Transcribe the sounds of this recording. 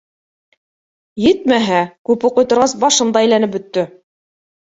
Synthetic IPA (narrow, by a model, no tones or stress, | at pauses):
jɘt̪̚mæɦækʉpŏqŏjt̪ŏɾʁɑsbɑʃɤnd̪ɑæjlænɘp̚bɵ̆t̪ːɵ